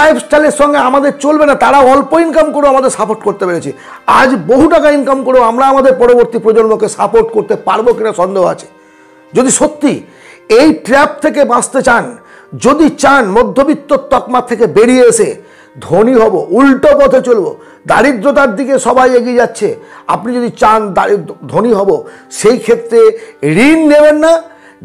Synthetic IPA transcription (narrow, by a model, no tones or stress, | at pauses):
ajbsʈaleʃɔŋɡeamad̪eɾt͡ɕolbenat̪aɾaoɔlpoinkamkoɾeamad̪eɾsapoʈkoɾt̪epeɾet͡ɕʰi | ad͡ʑboɦuʈakainkamkoɾeamɾaamad̪eɾpɔɾoboɾt̪ipɾod͡ʑonmokesapoʈkoɾt̪epaɾbokinaʃɔnd̪eɦoa̰t͡ɕʰe̥ | d͡ʑod̪iʃot̪ːi | ejʈɾɛp̚t̪ʰekebãst̪et͡ɕan | d͡ʑod̪it͡ɕanmɔd̪ʱːobit̪ːot̪ːɔkmat̪ʰekebeɽieeʃe | d̪ʱoniɦɔboulʈopɔd̪ʱʰet͡ɕolbo | d̪a̰ɾid̪ɾot̪̬aɾd̪ikeʃɔbajeɡied͡ʑatːɕʰea̰pnid͡ʑod̪it͡ɕand̪aɾid̪ʱoniɦɔboʃejkʰet̪ːɾeɾinːebenːa